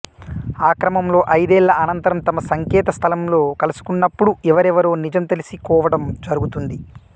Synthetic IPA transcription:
aːkɾɐmɐmlo̞ːʔɐjd̪ɛːlːɐʔɐnɐnt̪ɐɾɐmt̪ɐmɐsɐŋkɛːt̪ɐst̪ʰɐlɐmlo̞ːkɐlusu̥kunːɐpːuɽuɛʋɐɾɛʋɐɾoːnid͡ʒɐmt̪ɐlisikɔːʋɐɽɐmd͡ʒɐɾuɡut̪und̪i

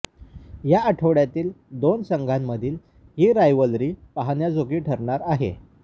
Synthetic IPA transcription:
jaəʈʰəʋɽjat̪iːld̪onsəŋɡʱanːəd̪ʱiːl | hiːɾajʋəlɾiːpaɦanjad͡zoɡiːʈʰəɾɳaɾaɦḛ

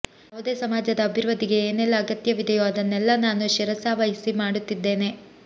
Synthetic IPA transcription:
ɐʋd̪eːsɐmaːd͡ʒɐd̪ɐːbʱiɾʋɐd̪ʱiɡe̞ːnɛlːɐːɡɐt̪jɐʋid̪ɐjoːɐd̪ɐnːɛlːɐnaːnuʃiɾɐsaːʋɐjɐsimaːɽut̪ːid̪ːe̞ːne̞

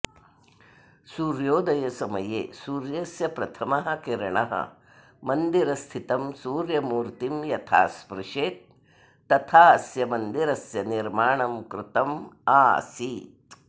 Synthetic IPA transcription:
suːɾjoːd̪ɐjɐsɐmɐjḛːsuːɾjɐsjɐpɾɐt̪ʰɐmɐɦɐ̆kiɾɐɳɐ̰ɦɐ̰ | mɐnd̪iɾɐst̪ʰit̪ɐmsuːɾjɐmuːɾt̪imjɐt̪ʰa̰ːspɾɪʂeːt̪̚ː | ɐt̪ʰaːɐsjɐmɐnd̪iɾɐsjɐniɾmaːɳɐmkɾut̪ɐmaːsiːt̪

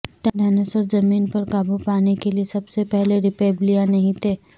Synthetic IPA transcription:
ʈaɖaːnəsɔɾzɐmiːnpɐɾkaːbupaːnekeliesɐbsepɛɦleɾɪpeːblijanɐɦĩt̪ʰeː

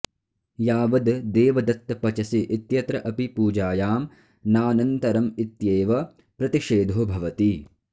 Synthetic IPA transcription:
jaːʋɐd̪d̪eːʋɐd̪ɐt̪ːɐpɐt͡ʃɐsiʔit̪jɐt̪ɾɐʔɐpipuːd͡ʒaːjaːm | naːnɐnt̪ɐɾɐmit̪jeːʋɐ | pɾɐt̪iʂeːd̪ʱoːbʱɐʋɐt̪i

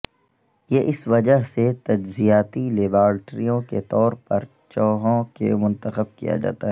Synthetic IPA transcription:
jeːʔɪsʋɐd͡ʒəɦset̪ɐd͡ʒzijaːt̪ileːbaːɾʈɾijõkḛt̪ɔːɾpɐɾ | t͡ʃɔːɦõkḛmʊ̃nt̪əxəb̚kḭja̰d͡ʒa̰ːt̪aɦɛɛ

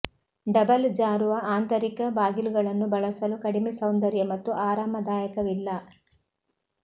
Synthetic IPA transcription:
ɖɐbɐld͡ʒaːɾuʋɐaːnt̪ɐɾikɐbaːɡiluɡɐɭɐnːubɐɭɐsɐlukɐɽimisɐwnd̪ɐɾjɐmɐt̪ːuʔaːɾaːmɐd̪aːjɐkɐʋilːɐ

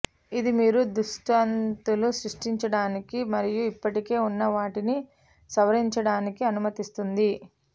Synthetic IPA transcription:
id̪imiːɾud̪uʂʈɐnt̪ulusɾiʂʈiɲt͡ʃɐɽaːnikimɐɾijuipːɐʈike̞ːunːɐʋaːʈini | sɐʋɐɾiɲt͡ʃɐɽaːnikiɐnumɐt̪ist̪und̪i

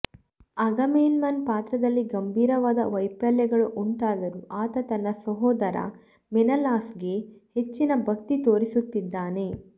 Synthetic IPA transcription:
ɐɡɐmeːlmɐnpaːt̪ɾɐd̪ɐlːiɡɐmbʱiːɾɐʋaːd̪ɐ̰ʋɐjpɐljɐɡɐɭuʔuɳʈaːd̪ɐɾuʔaːt̪ɐt̪ɐnːɐsɐɦɔːd̪ɐɾɐ̰ | mɛnɐlaːsɡe̞het͡ʃːinɐbʱɐkt̪it̪oːɾisut̪ːid̪ːaːne̞

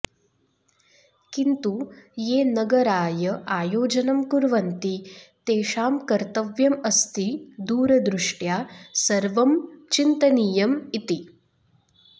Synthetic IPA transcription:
kint̪ujeːnɐɡɐɾaːjɐʔaːjoːd͡ʒɐnɐmkuɾʋɐnt̪it̪eːʃaːmkɐɾt̪ɐʋjɐmɐst̪id̪uːɾɐd̪ɾuʂʈjaːsɐɾʋɐmt͡ʃint̪ɐniːjɐmit̪i

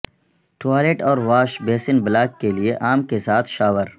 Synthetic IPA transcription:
ʈaːleʈɔːɾʋaːʃbeːsɪnbɪlaːkːelieʔaːmkesaːt̪ʰʃaːʋəɾ

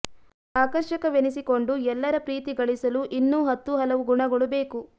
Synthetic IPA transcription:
aːkɐɾʃɐkɐʋenisiko̞ɳɖuɛlːɐɾɐpɾiːt̪iɡɐɭisɐluʔinːuːɦɐt̪ːuɦɐlɐʋuɡuɳɐɡɐɭube̞ːku

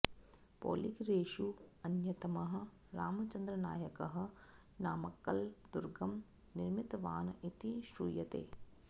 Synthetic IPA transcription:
po̰ːlikɾeːʃuɐnjɐt̪ɐmɐɦɐ̆ | ɾaːmɐt͡ʃɐnd̪ɾɐnaːjɐkɐɦɐ̆ | naːmɐkːɐld̪uɾɡɐm | nɪɾmit̪ɐʋaːnɐit̪iʃɾṵːjɐt̪ḛː

